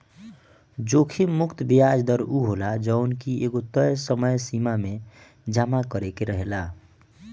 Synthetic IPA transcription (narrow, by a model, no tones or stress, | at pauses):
d͡ʒokʰimʊkt̪bijad͡ʒd̪əɾuɦolad͡ʒəʊnkieɡot̪əjsəməjsimame | d͡ʒamakəɾekeɾəɦela